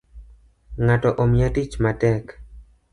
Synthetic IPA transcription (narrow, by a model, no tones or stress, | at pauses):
ŋatɔʔɔmɪjatit͡ʃmatɛk